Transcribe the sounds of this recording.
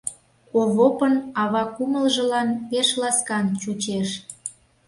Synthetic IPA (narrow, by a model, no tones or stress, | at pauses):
koβopənɑβɑkuməlʒə̆lɑnpeʃlɑskɑnt͡ɕut͡ɕeʃ